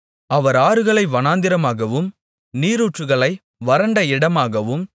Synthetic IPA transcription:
ɐʋɐɾaːɾɯɣɐɭɐɪʋɐnaːnd̪ɪɾɐmaːɣɐʋɯm | niːɾuːʈrɯɣɐɭɐɪ | ʋɐɾɐɳɖɐɪɽɐmaːɣɐʋɯm

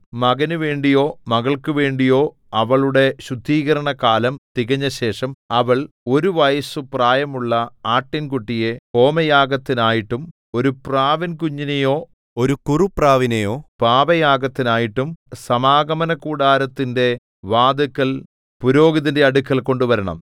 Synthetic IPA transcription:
mɐɡɐnuʋe̞ːɳɖijo̞ːmɐɣɐɭkuʋe̞ːɳɖijo̞ː | ɐʋɐɭuɽe̞ɕud̪ʱːiːɣɐɾɐɳɐkaːlɐmt̪iɣɐɲːɐɕe̞ːʂɐmɐʋɐɭ | o̞ɾuʋɐjɐsupraːjɐmuɭːɐaːʈːinkuʈːije̞ko̞ːmɐjaːɡɐt̪ːinaːjiʈːum | o̞ɾupraːʋinkuɲːinejo̞ː | o̞ɾukurupraːʋinejo̞ːpaːʋɐjaːɡɐt̪ːinaːjiʈːumsɐmaːɡɐmɐnɐkuːɽaːɾɐt̪ːinde̞ | ʋaːd̪ɐkːɐl | puɾo̞ːɡɐðinde̞ɐɽukːɐlko̞ɳɖuʋɐɾɐɳɐ̰m

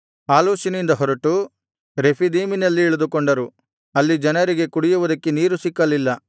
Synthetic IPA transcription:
aːluːsinind̪ɐɦɔɾɐʈu | ɾe̞pʰid̪iːminɐlːiːɭud̪ukoɳɖɐɾu | ɐlːid͡ʒɐnɐɾiɡe̞kuɽijuʋud̪ɐkːeniːɾusikːɐlilːɐ

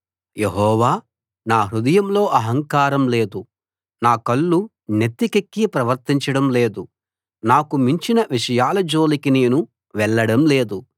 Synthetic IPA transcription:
jeɦɔːʋaː | naːɦɾud̪ɐjɐmlo̞ːʔɐɦɐŋkaːɾɐmle̞ːd̪u | naːkɐɭːu | net̪ːikekːipɾɐʋɐɾt̪iɲt͡ʃɐɽɐmle̞ːd̪u | naːkumiɲt͡ʃinɐʋiʂɐjaːlɐd͡ʒo̞ːlikineːnu | ʋɛɭːɐɽɐmle̞ːd̪u

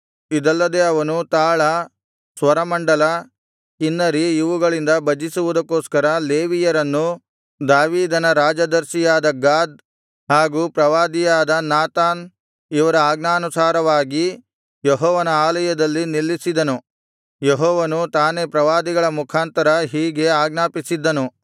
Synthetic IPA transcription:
id̪ɐlːɐd̪e̞ɐʋɐnut̪aːɭɐ | sʋɐɾɐmɐɳɖɐlɐ | kinːɐɾiiʋuɡɐɭind̪ɐbɐd͡ʒisuʋud̪ɐkːoːskɐɾɐleːʋijɐɾɐnːu | d̪aːʋiːd̪ɐnɐɾaːd͡ʒɐd̪ɐɾʃijaːd̪ɐɡaːd̪̚ | haːɡuːpɾɐʋaːd̪ijaːd̪ɐnaːt̪aːn | iʋɐɾɐaːɡnaːnusaːɾɐʋaːɡi | jɛɦɔːʋɐnɐaːlɐjɐd̪ɐlːinilːisid̪ɐnu | jeɦɔːʋɐnut̪aːne̞pɾɐʋaːd̪iɡɐɭɐmukʰaːnt̪ɐɾɐɦiːɡe̞aːɡnaːpisid̪ːɐnu

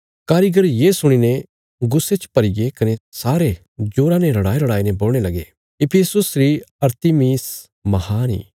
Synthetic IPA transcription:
kaːɾiɡəɾjesʊɽ̃inẽ | ɡʊsːet͡ʃpɐɾiɡekɐnesaːɾe | d͡ʒoːɾãnẽɾɐɽaːiɾɐɽaːineboːl̃elɐɡe | ɪpʰesʊsɾiɐɾt̪imiːs | mɐhaːnḭː

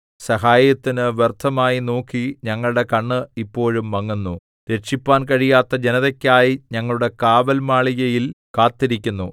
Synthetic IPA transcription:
sɐɦaːjɐt̪ːinɨʋert̪ʰːɐmaːjino̞ːkːiɲɐŋːɐɭuɽe̞kɐɳːɨipːo̞ːɻumːɐŋːunːu | ɾe̞ʈʂipːaːnkɐɻijaːt̪ːɐd͡ʑenɐðɐkʲːaːjiɲɐŋːɐɭuɽe̞kaːʋɐlmaːɭijɐjilkaːt̪ːiɾikʲːunːu

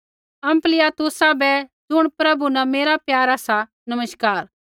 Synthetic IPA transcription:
ɐ̃mplɪjaːt̪ʊsabɛd͡zʊɽ̃pɾɐbunɛ̃meːɾapjaːɾaːsa | nɐməʃkaːɾ

